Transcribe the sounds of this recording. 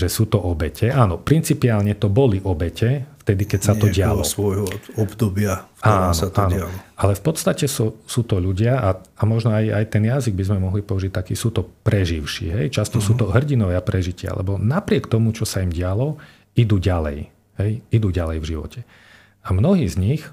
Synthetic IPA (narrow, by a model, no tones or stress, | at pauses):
ʒɛsuːt̪ɔʔɔbɛcɛʔaːnɔpɾint͡sipiaːlɲɛt̪ɔbɔliʔɔbɛcɛft̪ɛd̪ikɛcsat̪ɔɟɪalɔ̰sʋɔjɦɔɔbd̪ɔbɪafkaːnɔatʔaːnɔallɔalɛfpɔt̪st̪acɛsusuːt̪ɔʎuɟɪaʔaamɔʒnɔajajt̪ɛnjaziɡ̚bizmɛmɔɦlipɔuʒic̚t̪akiːsuːt̪ɔpɾɛʒiʊʃḭːɦɛjt͡ʃast̪ɔsuːt̪ɔɦr̩ɟinɔʋɛapɾɛʒicɪa̰lɛ̰bɔnapɾɪɛkt̪ɔmut͡ʃɔsaimɟɪalɔ | id̪uːɟalɛ̰j | ɦɛjid̪uːɟalɛjvʒiʋɔ̰cʰɛ | amnɔɦiːzɲix